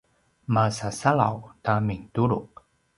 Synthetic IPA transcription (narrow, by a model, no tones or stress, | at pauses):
masasala̰wtamiŋtuɾuk